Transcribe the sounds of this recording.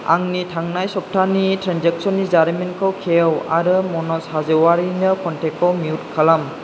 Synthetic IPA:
a̰ŋnitʰaŋnajsɔp̚tʰanitɾanzek̚sɔnizaɾimenkʰɔwkʰewa̰ɾɯmɔnɔshazɔwaɾinɯkʰɔntekʰɔwmiut̚kʰalam

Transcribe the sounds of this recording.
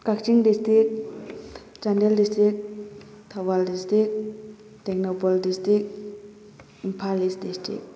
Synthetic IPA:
kak̚t͡ɕiŋdist̪ik̚ | t͡ɕandeldistik̚ | t̪ʰawaldistik̚ | tek̚noboldistik̚ | impʰalisd̪istḭk̚

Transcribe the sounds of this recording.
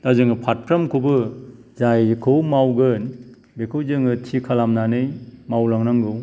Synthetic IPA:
d̥azɯŋɯpʰat̚pʰɾɐmkʰubɯzajkʰɯwmawɡɯn | bekʰɯwzɯŋɯtʰikʰalamnanɯjmawlaŋnaŋɡɯw

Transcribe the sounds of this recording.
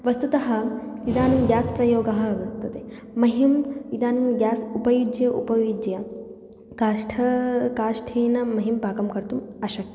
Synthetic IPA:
ʋɐst̪ut̪ɐɦɐ̆id̪aːnumɡjaːspɾɐjoːɡɐɦɐʋɐst̪ɐt̪e | mɐɦimid̪aːnumɡjaːsupɐjud͡ʒjɐʔṵpɐʋid͡ʒɐjɐ | kaːʂʈʰɐkaːʂʈʰeːnɐmɐɦimpaːkɐmkɐɾt̪umɐʃɐk

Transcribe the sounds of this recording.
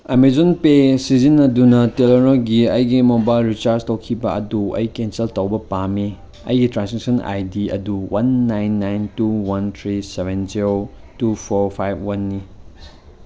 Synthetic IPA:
emezonpesizinɐdunɐteloɾoɡiɐjɡimobajlɾit͡ʃaɾstɐwkʰibɐɐ̰duɐ̰jkenseltɐwbɐpami | ɐ̰jɡitɾansnisɐna̰jdiɐ̰duwɐnːajnːajntuwɐnt̪ʰɾisebenziɾotupʰoɾpʰajb̚ʱwɐnːi

